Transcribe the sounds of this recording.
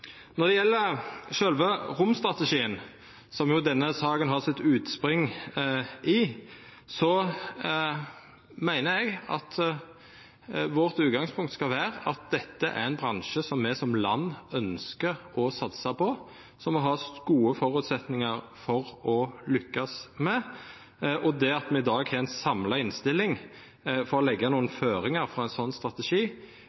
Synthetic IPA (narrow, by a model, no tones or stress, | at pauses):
nɔʁd̪ɛjɛlːəʃœlʋəʁʊmst̪ʁɑt̪əʂiːən | sɔmjʊd̪ɛnːəsɑːɡənɦɑʁsɪt̪ːʉːt̪spɾʏŋ | ɪ | sɔ | mæɪnəɛɡɑ̰t̪ | ʋɔʁt̪ʉːɡɑŋspʰʊŋkt̪skɑʋæːʁəɑt̪̚d̪ɛt̪ːəʔæ̰ʁæɪnbʁɑnʃəsɔmːɛsɔmlɑnːœnskəʁɔsɑt̪sɑpʰɔ | sɔmːɔɦɑːɡ̥uːəfɔɾʉːt̪sɛt̪nɪŋɑɾ | fɔɾɔlʏkːɑsmɛ | ʔɔd̪ɛɑt̪mɛɪd̪ɑːɡhɛɾɛnsɑmlɑɪnst̪ɪlːɪŋ | fɔɾɔlɛɡːɑnuːənføːɾɪŋɑɾfɾɑːɛnsɔnːst̪ɾɑt̪ɛʂiː